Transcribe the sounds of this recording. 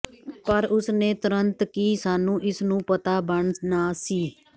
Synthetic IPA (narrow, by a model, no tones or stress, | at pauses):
pəɾʊsneːt̪ʊɾənt̪kiːsaːnũːʔɪsnũːpət̪aːbəɳnaːsiː